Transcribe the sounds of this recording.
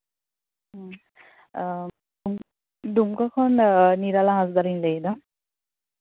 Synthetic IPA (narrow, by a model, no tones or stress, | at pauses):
dum | dumkɔkʰɔnniɾalaɦasdaɾinleidɔ